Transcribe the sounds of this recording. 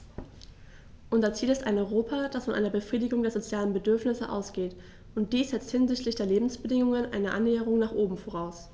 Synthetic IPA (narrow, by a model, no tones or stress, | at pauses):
ʔʊnzɐt͡siːlɪstaɪnɔʏʁoːpʰad̥asfɔnʔa̰ɪnɐbəfʁ̥iːdɪɡʊŋdeːɐzot͡sjaːlənbədʏɐfnɪsəʔa̰ʊsɡ̥eːt | ʔʊnt̚d̥iːsz̥ɛt͡sthɪnzɪçtʰlɪçd̥eːɐleːbm̩sb̥ədɪŋʊŋənʔa̰ɪnəʔanːeːəʁ̞ʊŋnaːχʔoːbm̩foʁ̞aʊs